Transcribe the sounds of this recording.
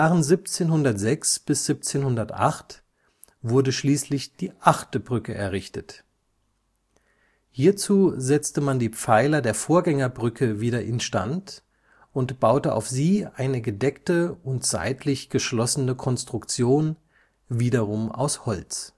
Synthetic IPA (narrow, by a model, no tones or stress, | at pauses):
aːʁənzip̚t͡seːnhʊndɐtz̥ɛksb̥ɪsz̥ip̚t͡seːnhʊndɐtʔa̰χt | v̥ʊɐdəʃliːslɪçd̥iːʔaχtəbʁʏkəʔɛɐʁɪçtət | hiːɐt͡suːzɛt͡stəmandiːp͡faɪlɐdeːɐfoːɐɡɛŋɐbʁʏkʰəviːɾɐʔɪnʃta̰nt | ʔʊntb̥aʊtəʔa̰ʊfz̥iːʔaɪnəɡədɛktəʊntz̥a̰ɪtʰlɪçɡ̥əʃlɔsənəkʰɔnstʁ̥ʊkt͡sjoːn | viːdɐʁʊma̰ʊshɔlt͡s